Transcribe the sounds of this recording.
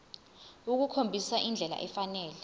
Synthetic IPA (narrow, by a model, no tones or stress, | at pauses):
uk̬ukʰombʱisaʔind͡ɮʱɛla̰ʔɛfanɛːlɛ